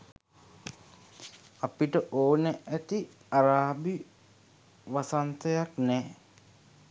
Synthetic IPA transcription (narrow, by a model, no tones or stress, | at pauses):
apiʈəʔoːnəʔæt̪i | aɾaːbi | ʋasant̪əjaknɛː